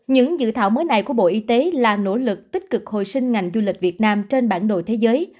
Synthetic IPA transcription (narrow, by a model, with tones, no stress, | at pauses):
ɲɨ̰˧˥ŋzɨ̰˧˨t̪ʰaː˧˩wməː˨˦jna˨˩jku˧˩əɓo̰˧˨ʔi˧t̪e˨˦laː˨˩no̰˧˥lɨ˨˩k̚t̪i˦˥k̟̚kɨ˨˩k̚ho̰˧˨jsï˧ŋ̟ŋa˨˩jŋ̟zu˧li˨˩k̚vi˨˩ət̚naː˧mt͡ɕe˧nɓaː˧˩nɗo̰˧˨jt̪ʰe˨˦zəː˨˦j